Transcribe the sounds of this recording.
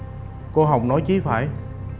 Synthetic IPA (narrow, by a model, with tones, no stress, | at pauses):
ko˧ɦa˨˩wk͡p̚nɔ˨˦jt͡ɕi˨˦fa̰ː˧˩j